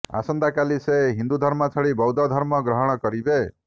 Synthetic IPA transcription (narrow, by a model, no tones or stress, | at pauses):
a̰sɔnd̪akaliseɦind̪ud̪ʱɔɾmɔt͡ʃʰɔɭibɔwd̪ʱɔd̪ʱɔɾmɔɡɾɔɦɔɽ̃ɔkɔɾibe